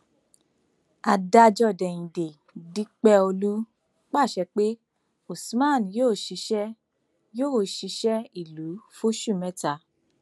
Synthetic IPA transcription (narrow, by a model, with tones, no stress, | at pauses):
a˧da˧d͡ʒɔ˧˨dɛ˨j̃ĩ˨de˨ | di˦k͡pɛ˧˦o˧lu˦ | k͡pa˦˨ʃɛ˧k͡pe˦ | o˨smã˦˨n˨joː˦˨ʃi˧˦ʃɛ˦ | jo˦o˨ʃi˨˧˦ʃɛ˦i˨lu˨˦fo˦ʃu˦˨mɛ˦ta˧